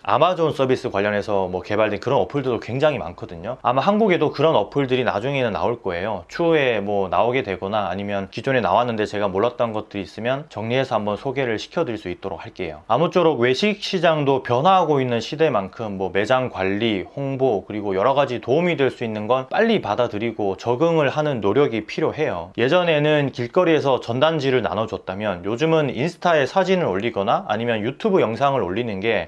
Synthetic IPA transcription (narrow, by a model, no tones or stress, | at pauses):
a̰mad͡ʑons͈ʌbis͈ɯkwaʎːʌne̞sʰʌmwʌke̞baɭdwenkɯɾʌnʌpʰɯɭdɯɭdokwe̞ŋd͡ʑaŋima̰nkʰʌdɯɲoa̰maɦanɡuɡe̞dokɯɾʌnʌpʰɯɭdɯɾina̰d͡ʑuŋe̞nɯnːa̰oɭk͈ʌe̞jot͡ɕʰue̞mwʌna̰oɡe̞dwe̞ɡʌnaːɲimjʌnkid͡ʑone̞na̰wanːɯnde̞t͡ɕe̞ɡamoɭːat̚t͈ʌnɡʌt̚t͈ɯɾiːs͈ɯmjʌnt͡ɕʌŋɲie̞sʰʌambʌnsʰoɡe̞ɾɯɭɕʰi̥kʰjʌdɯɭs͈uit̚t͈oɾo̰k̚haɭk͈e̞jo̰amut͡ɕ͈ʰoɾokwe̞ɕʰik̚ɕ͈ʰid͡ʑaŋdopjʌnɦwaɦaɡoinːɯnɕʰide̞mankʰɯmːwʌme̞d͡ʑaŋkwaʎːihoŋbokɯɾiɡojʌɾʌɡad͡ʑitoumidwe̞ɭs͈uinːɯnɡʌnp͈aʎːipadadɯɾiɡot͡ɕʌɡɯŋɯɭhanɯnːoɾjʌɡipʰiɾjoɦe̞joje̞d͡ʑʌne̞nɯnkiɭk͈ʌɾie̞sʰʌt͡ɕʌndand͡ʑiɾɯɭna̰nʌd͡ʑʌt̚t͈amjʌnjod͡ʑumɯninsʰɯ̥tʰae̞sʰad͡ʑinɯɾoʎːiɡʌna̰ːɲimjʌnjutʰubɯjʌŋsʰaŋɯɾoɭːinɯnɡe̞